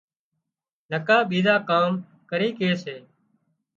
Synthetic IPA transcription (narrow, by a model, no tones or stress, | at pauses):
ləkaːɓiːzaːkaːm | kəɾiːkeːseː